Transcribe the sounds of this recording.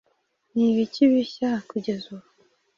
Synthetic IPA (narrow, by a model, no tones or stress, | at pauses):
niβiciβiɕakuɟezua